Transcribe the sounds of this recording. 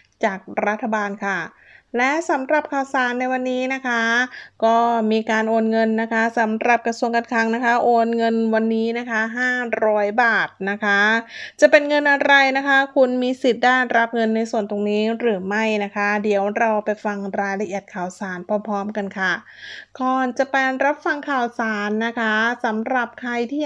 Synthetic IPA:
t͡ɕaː˨˩k̚ɾa˦˥t̪ʰːa˧baː˧nkʰa˥˩ | lɛ˦˥sa˩˦mɾa˨˩p̚kʰaː˨˩wsaː˨˩˦nːa˧jwa˧nːiː˦˥na˦˥kʰa˦˥kɔː˥˩miː˧kaː˧nʔoː˧nŋɤ˧nːa˦˥kʰa˦˥sa˩˦mɾa˨˩p̚kɾa˧su˧əŋka˧nkʰa˧ŋna˦˥kʰa˦˥ʔoː˧nŋɤ˧nwa˧nːiː˦˥na˦˥kʰa˦˥ɦaː˥˩ɾɔː˦˥jbaː˨˩t̪̚na˦˥kʰa˦˥t͡ɕa˨˩pe˧nŋɤ˧nʔa˧ɾa˧jna˦˥kʰa˦˥kʰu˧nmiː˧si˨˩t̪̚daː˥˩ɾa˦˥p̚ŋɤ˧nːa˧jsu˨˩ənt̪o˧ŋniː˦˥ɾɯː˩˦ma˥˩jna˦˥kʰa˦˥di˨˩˦əwɾa˧wpa˧jfa˧ŋɾaː˧jla˧ʔi˨˩ət̪̚kʰaː˨˩wsaː˩˦npʰɔː˧pʰɔː˦˥mka˧nkʰa˥˩ | kɔː˨˩nt͡ɕa˨˩pa˧ɾa˦˥p̚fa˧ŋkʰaː˨˩wsaː˩˦nːa˦˥kʰa˦˥sa˩˦mɾa˨˩p̚kʰa˧jt̪ʰiː˥˩

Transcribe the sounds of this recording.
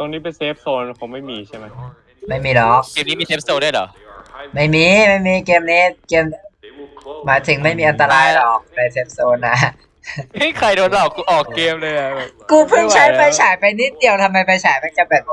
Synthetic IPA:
t̪o˧ŋniː˦˥pe˧nseː˦˥p̚soː˧n˧pʰo˩˦ma˥˩jmiː˧t͡ɕʰa˥˩jma˦˥j | ma˥˩jmiː˧lɔ˨˦˩k̚keː˧mni˦˥miː˧seː˦˥p̚soː˧ndu˥˩jlɔ̰˨˩˦ | ma˥˩jmiː˧ma˥˩jmiː˧˩keː˧mniː˦˥keː˧m | maː˨˩˦jt̪ʰɯ˩˦ŋma˥˩jmiː˧ʔa˧nt̪aː˧laː˧˥˩jlɔː˨˩k̚na˧seː˦˥p̚soː˧nːa˦˥˦ | kʰa˧jdoː˧nlɔː˨˩kːuː˧ʔɔː˨˩kːeː˧mlɤː˧jʔa˨˩kuː˧pʰɯ˥˩ŋt͡ɕʰa˦˥jpa˧jt͡ɕʰaː˩˦jpa˧jni˦˥t̪̚di˨˧əwt̪ʰa˧mːa˧jpa˧jt͡ɕʰaː˩˦jma˧nka˧˩bɛː˨˩p̚

